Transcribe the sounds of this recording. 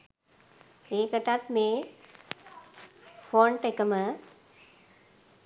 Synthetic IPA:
eːkəʈat̪meː | foːɳʈekəmə

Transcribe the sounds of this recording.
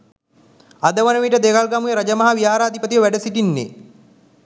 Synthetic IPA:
ad̪əʋənəʋiʈəd̪eɡalɡamujeɾɐd͡ʒəmɐɦaʋijaːɾaːd̪ʱipət̪iʋəʋæɖəsiʈinːḛ

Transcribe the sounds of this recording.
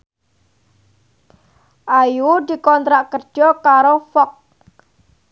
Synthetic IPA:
ʔajud̪̥i̤kɔnt̪ɾaʔkərd̥ʒ̥ɔkaɾofɔk̚

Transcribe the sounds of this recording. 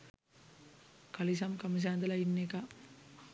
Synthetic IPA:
kɐlis̬ɐmkɐmis̬aːnd̪ɐlɐinːeka

